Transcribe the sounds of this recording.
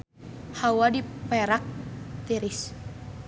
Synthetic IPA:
hawadipɛɾak̚t̪iɾis

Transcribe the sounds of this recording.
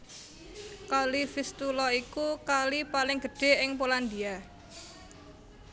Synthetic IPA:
kalifist̪ulɔikukalipalɪŋɡ̥ə̤ɖ̥e̤ʔɪŋpoland̪ia

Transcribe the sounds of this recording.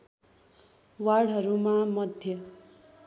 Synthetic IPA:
waɽʌɾumamʌd̪ʱjʌ

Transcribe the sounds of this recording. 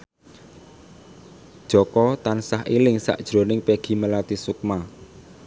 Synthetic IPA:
d̥ʒ̥ɔ̤kɔt̪ansaɦilɪŋsa̰ʔd̥ʒ̥ɾo̤nɪŋpeɡ̥i̤məlat̪isuk̚ma

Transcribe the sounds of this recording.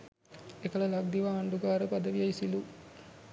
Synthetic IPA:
ekəlɐlaɡ̚d̪iʋaːɳɖuɡaːɾəpad̪əʋijɐisilu

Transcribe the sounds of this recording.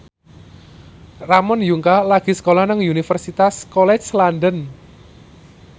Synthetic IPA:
ramɔnjuŋkalaɡ̥i̤sə̥kolɔhnəŋunifərsit̪askɔlɛt͡ʃlandən

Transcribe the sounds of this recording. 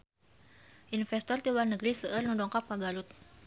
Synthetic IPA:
ʔinfɛst̪ɔrt̪iwarnəɡɾisəʔərnudɔŋkapːaɡaɾʊt̪̚

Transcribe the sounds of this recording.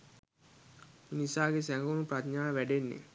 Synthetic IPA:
minisaːɡesæŋɡəunuprat̪ɲaːʋæɖenːḛ

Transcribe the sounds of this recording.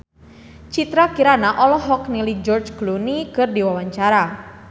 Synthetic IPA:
t͡ʃit̪ɾakiɾanaʔɔlɔɦɔknilid͡ʒɔrt͡ʃɡlunikɨrdiwawaɲt͡ʃaɾa

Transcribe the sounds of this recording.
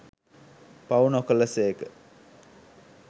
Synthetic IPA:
pawunokələsekə

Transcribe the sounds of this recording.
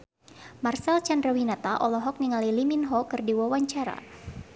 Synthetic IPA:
marsɛlt͡ʃandrawinat̪aʔɔlɔɦɔk̚niŋaliliminɦɔkɨrdiwawaɲt͡ʃaɾa̰

